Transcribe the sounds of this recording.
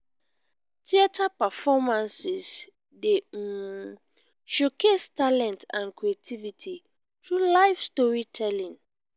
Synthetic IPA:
tʰiatʰapɛfɔmãnsis | de | ʃokʰestʰalɛ̃ntʰãnkɹietʰivitʰi | tɹulaɪfstɔɹitʰɛlĩŋ

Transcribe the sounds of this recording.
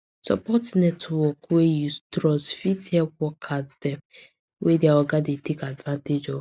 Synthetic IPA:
sɔ̰pɔtnɛtwɔkwejutɾɔsfithɛpwɔkʰatd̥ɛ̃m | wʔedeaɔɡadetekadvãnted͡ʒɔv

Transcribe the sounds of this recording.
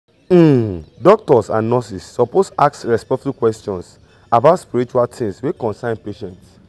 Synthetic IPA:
m̩dɔk̚tɔsã̰nnɔsisːɔposaksɹɛspɛtukwɛstɔ̃ns | abaʊtspiɹit͡ʃualtʰĩŋswekɔ̃nsãɪ̃npeʃɛ̃nts

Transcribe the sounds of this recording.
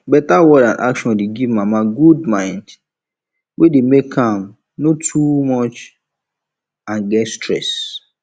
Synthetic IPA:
bɛtawɔdãnʔa̰kʃɔ̃ndeɡivmamaɡudmãɪ̃nd | wʔedemekʰãm | notʰumɔt͡ʃ | ãnɡɛtstɹɛs

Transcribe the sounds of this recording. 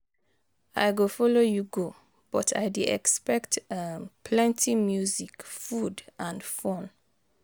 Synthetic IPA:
a̰ɪɡofɔlojuɡo | b̥ɔtʰa̰ɪdeɛkspɛktampʰlɛ̃ntʰimjuzikfudãndfɔ̃n

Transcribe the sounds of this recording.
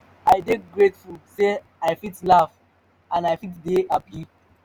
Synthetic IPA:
aɪdeɡɹetfulse | aɪfitlaf | ãnaɪfitdeʔapʰi

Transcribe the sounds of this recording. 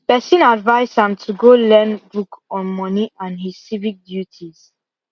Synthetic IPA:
pɛsĩnadvaɪshãmtʰuɡolɛ̃nbukɔ̃nmɔniʔãnhissivik̚djutʰiz̥

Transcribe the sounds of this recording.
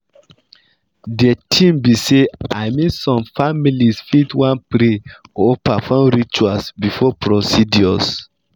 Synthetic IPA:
dɛtʰĩmbiseaɪmĩsɔ̃mfamilisfitwãnpɾeɔpafɔ̃mɾit͡ʃuasbifɔpɾosidjɔs

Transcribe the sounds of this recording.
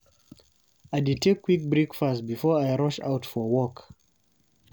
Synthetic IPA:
ajdid̚tʰekʰːwik̚bɹikfastbifɔɹajɹɔʃa̰ʊtfɔwɔk

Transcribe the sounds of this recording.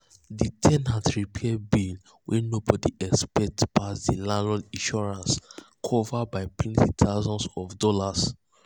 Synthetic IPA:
ditʰɛ̃nhadɹipʰɛd̚bil | wʔɛnobɔdiʔɛkspɛk̚tpʰasdilanalĩʃɔɹãns | kʰɔvabaɪtʰwɛ̃ntʰit̪ʰaʊzɔ̃nsɔfdɔlas

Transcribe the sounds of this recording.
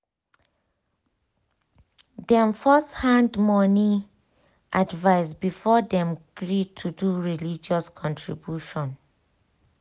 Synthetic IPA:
dɛ̃mfɔsthãndmɔni | ʔadvaɪsbifɔdɛ̃mɡ̥ɹitʰuduɹilid͡ʒɔskʰɔ̃ntʰɹibjuʃɔ̃n

